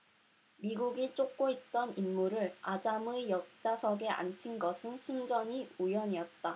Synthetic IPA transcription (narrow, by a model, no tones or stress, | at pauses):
miɡuɡit͡ɕ͈ok̚k͈oit̚t͈ʌninːuɾɯɭad͡ʑamɯjʌk̚t͡ɕ͈asʰʌɡe̞ʔa̰nt͡ɕʰinɡʌsʰɯnsʰund͡ʑʌɲiujʌɲijʌt̚t͈a